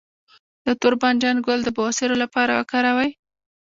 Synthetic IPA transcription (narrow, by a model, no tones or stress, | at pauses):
d̪̥ət̪ʊɾband͡ʒanɡʊld̪əbasɪɾolapɑɾawə̰kɑɾawaj